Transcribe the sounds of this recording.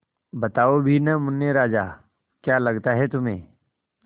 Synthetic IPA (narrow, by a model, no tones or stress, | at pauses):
bɐt̪aːobʱinɐmʊnːjeɾaːd͡ʒaː | kjaːlɐɡt̪aɦɛt̪ʊmḛ̃ː